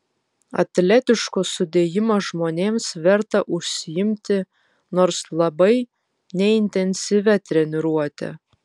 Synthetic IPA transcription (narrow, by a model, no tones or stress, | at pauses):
ɐ̰t̪ʲlʲæt̪ʲɪʃkosʊd̪ʲeːjɪmoʒmoːnʲeːmsʋʲɛɾt̪ɐʔʊʃsʲɪjɪmʲt̪ʲɪ | noːɾslˠɐbɐɪ | nʲɛɪnʲt̪ʲɛnʲsʲiʋʲɛt̪ʲɾʲɛnʲɪɾuɔt̪ʲɛ̰